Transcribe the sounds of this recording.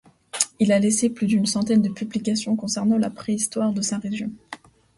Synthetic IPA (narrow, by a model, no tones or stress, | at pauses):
ilaleseplyd̪ynsɑ̃t̪ɛnd̪əpyblikasjɔ̃kɔ̃sɛʁnɑ̃lapχeist̪waʁd̪əsɛ̃ʁeʒjɔ̃